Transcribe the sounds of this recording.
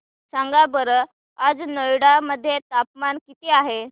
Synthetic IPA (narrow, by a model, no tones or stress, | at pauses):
saŋɡabəɾə | ad͡znəjɽaməd̪ʱːjet̪ap̚mankit̪iaɦe